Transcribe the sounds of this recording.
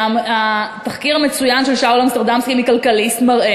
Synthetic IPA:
at̪aχkiʁamet͡sujanʃelʃawlamst̪eʁd̪amskimikalkalist̪maʁʔe

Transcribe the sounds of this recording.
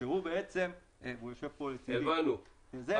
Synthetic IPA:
ehubeet͡se̞m | evujoʃev̥polet͡sieivanu | eze

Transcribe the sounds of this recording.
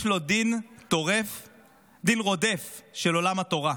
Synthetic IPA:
flod̪int̪oʁef | d̪inʁo̞d̪efʃelo̞lamat̪o̞ʁa

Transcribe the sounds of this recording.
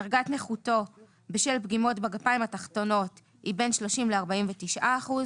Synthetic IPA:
aʁɡatneχuto̞ | beʃelpɡimo̞tbaɡapajimataχto̞no̞t | hibe̞nʃlo̞ʃimleaʁbaimvetiʃʔaːχuz

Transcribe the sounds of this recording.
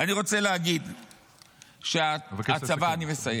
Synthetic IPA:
aniʁo̞t͡se̞leɦaɡid̪ | ʃeavat͡savaːnime̞saje

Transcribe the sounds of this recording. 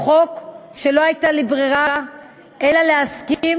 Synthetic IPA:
χo̞kʃe̞lo̞ajtalibʁiʁa | ʔelaleaskim

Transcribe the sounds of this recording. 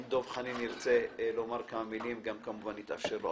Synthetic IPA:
d̪o̞vχanimiʁt͡se̞lomaʁkamamilimɡamkamuvanit̪a̰fʃeʁlo

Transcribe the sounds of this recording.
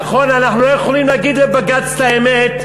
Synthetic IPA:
χo̞nanaχnulojeχolimlaɡid̪lebaɡat͡st̪aemet̪

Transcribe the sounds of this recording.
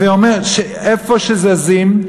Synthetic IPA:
veomeʁʃe | efoʃezezim

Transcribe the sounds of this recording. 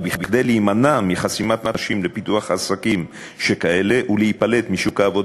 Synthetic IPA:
biχbiχd̪ejliːmanamiχasimat̪aʃimle̞pituaχasakim | ʃe̞kae̞le̞ʔulehipale̞t̪miʃukhaːvo̞d

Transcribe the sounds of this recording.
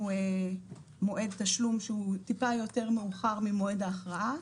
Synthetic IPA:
ue | mo̞ʔe̞d̪̚t̪aʃlumʃeut̪ipajo̞t̪e̞ʁmeuχaʁmimo̞e̞d̪aːχʁaʔa

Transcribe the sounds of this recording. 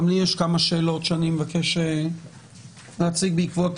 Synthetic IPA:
mlijeʃkamaʃe̞ːlo̞tʃanimvakeʃe | lat͡siɡ̚beikvot

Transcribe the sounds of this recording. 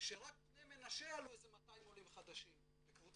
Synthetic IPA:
ʃe̞ʁak̚pnejmenaʃealuezemat̪ajimolimχad̪aʃim | bekvu

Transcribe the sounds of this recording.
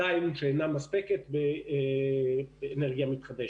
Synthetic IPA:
ajmʃeenamaspeket̪be | beːneʁɡijamit̪χad̪eʃ

